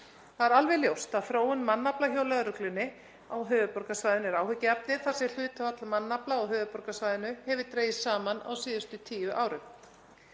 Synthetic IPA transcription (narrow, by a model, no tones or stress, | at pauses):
θaðɛɾalvɛljowst̪aðfɾoːwʏnmanːaplaçoːwlɛɣaɾʏklʏnːɪ | awɦœːvʏpɔɾkasvajðɪnɛɾaːwhʏcːap̚nɪθasɪl̥ʏːt̪aat̪lamanːaplaɔɦœːvʏpɔɾkasvajðɪnʏhɛvɪt̪ɾeːjɪssaːmana̰wsiːðʏst̪ʏt̪ʰiːjʏʔaːwɾʏm